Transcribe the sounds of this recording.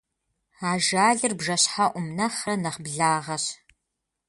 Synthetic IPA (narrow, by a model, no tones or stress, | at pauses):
aːʒaːɮɨrbʒɐɕħaʔʷʊmnɐχɐnɐχbɮaːʁɐɕ